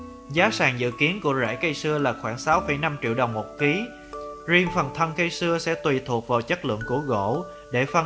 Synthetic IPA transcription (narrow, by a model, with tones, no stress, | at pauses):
zaː˨˦saː˨˩ŋzɨ̰˧˨ki˨˦ənku˧˩əzɛ̰ː˧˥jkə˧jsɨ˧əlaː˨˩xwaː˧˩ŋsa˨˦wfə˧˩jna˧mt͡ɕḭ˧˨wɗə˨˩wŋ͡mmo˨˩t̚ki˨˦ | zi˧əŋfə˨˩nt̪ʰə˧nkə˧jsɨ˧əsɛ̰˧˥t̪wi˨˩t̪ʰu˨˩ək̚vaː˨˩wt͡ɕə˦˥k̚lɨ̰˧˨əŋku˧˩əɣo̰˧˨ | ɗe˧˩fə˧˩